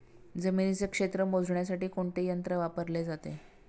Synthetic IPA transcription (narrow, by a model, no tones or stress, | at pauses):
d͡zəminit͡sekʂet̪ɾəmod͡zʱɳjasaʈiːkoɳt̪ejənt̪ɾəʋapəɾled͡zat̪e